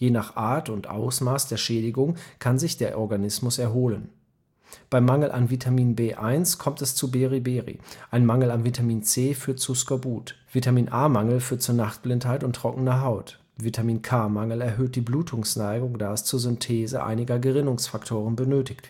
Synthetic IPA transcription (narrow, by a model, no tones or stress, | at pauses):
jeːnaːχʔaːɐtʊntʔa̰ʊsmaːsd̥eːɐʃɛːdɪɡʊŋkʰanzɪçd̥eːɐʔɔɐɡanɪsmʊsɛɐɦoːlən | b̥aɪmːaŋl̩ʔa̰nvitʰamiːnbeːʔaɪnskʰɔmtɛst͡subeːʁibeːʁḭʔaɪnmaŋl̩anvitʰamiːnt͡seːfyːɐt̚t͡suskoɐbuːtv̥itamiːnʔaːmaŋl̩fyːɐt̚t͡suːnaχtb̥lɪnthaɪtʊntːʁ̥ɔkŋn̩ɐɦaʊt | vitʰamiːnkʰaːmaŋl̩ɛɐɦøːt̚d̥iːbluːtʰʊŋsnaɪɡʊŋdaːɪst͡suːɐzʏntʰɛːzə̰ʔa̰ɪnɪɡɐɡəʁɪnʊŋsfaktʰoːʁ̞ənbənøːtɪçt